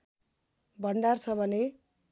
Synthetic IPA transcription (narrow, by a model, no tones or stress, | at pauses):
bʱʌɳɖart͡sʰʌbʱʌne